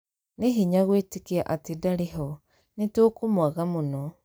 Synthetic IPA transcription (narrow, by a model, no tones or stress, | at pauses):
neɦiɲaɣwetekeaʔatedaɾeɦɔ | netoːkomwaɣamonɔ